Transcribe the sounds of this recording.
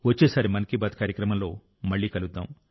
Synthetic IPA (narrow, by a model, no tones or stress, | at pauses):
ʋɐt͡ʃːeːsaːɾimɐnɐkibaːd̪kaːɾjɐkɾɐmɐmlo̞̰ː | mɐɭːiːkɐlud̪ːa̰ːm